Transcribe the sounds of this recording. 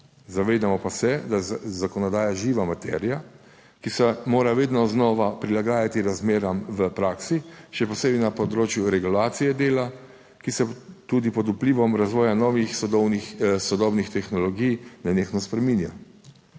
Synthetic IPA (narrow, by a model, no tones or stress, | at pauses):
zaʋeːd̪amɔpasɛd̪azakɔnɔd̪aːjaʒiːʋamat̪ɛ̰ːɾija | kisɛmoːɾaʋeːd̪nɔznɔːʋapɾilaɡaːjat̪iɾazmeːɾamʋəpɾaːksiʃɛpɔseːbɛnapɔd̪ɾoːt͡ʃjuɾɛɡulaːt̪sijɛd̪eːla | kisɛt̪uːd̪ipɔd̪upliːʋɔmɾazʋɔːjanɔːʋixsɔd̪ɔwnisɔd̪ɔbnixt̪ɛxnɔlɔɡijnɛnexnɔspɾɛminja